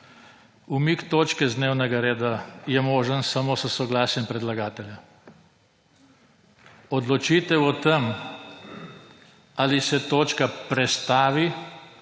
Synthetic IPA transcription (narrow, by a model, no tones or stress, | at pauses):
umikt̪oːt͡ʃkɛzd̪neːwnɛɡaɾeːd̪ajɛmoːʒənsamosəsɔɡlaːsjɛmpɾɛd̪laɡaːt̪ɛlja | ɔd̪lɔt͡ʃit̪ɛwɔt̪ɛm | aːlisɛt̪oːt͡ʃkapɾɛst̪aːʋi